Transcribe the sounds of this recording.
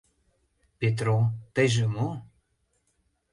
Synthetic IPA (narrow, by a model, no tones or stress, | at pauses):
pet̪̬rot̪əjʒə̆mo